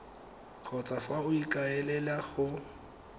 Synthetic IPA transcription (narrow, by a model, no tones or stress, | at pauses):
kʰɔt͡sʼafaʊikʼaɛlɛlaɣʊ